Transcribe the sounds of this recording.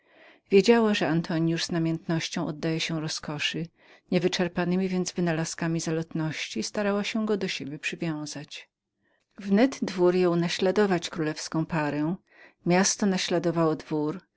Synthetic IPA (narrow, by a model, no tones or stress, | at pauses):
vʲjed͡ʑawaʐɛant̪ʰɔɲjuʐz̥namʲjɛnt̪nɔɕt͡ɕɔ̃w̃ɔd̪ːajɛɕɛɾɔskɔʂɨ | ɲɛvɘt͡ʂɛɾpanɘmʲivʲjɛnd̪zvɘnalaskamʲizalɔt̪nɔɕt͡ɕist̪aɾawaɕɛɡɔd̪ɔɕebʲjɛpʂɘvʲjɔ̃w̃z̥at͡ɕ | vnɛd̪d̪vuɾjɔ̃wnaɕlad̪ɔvat͡ɕkɾulɛfskɔ̃w̃paɾɛ̃ | mʲjast̪ɔnaɕlad̪ɔvawɔd̪vuɾ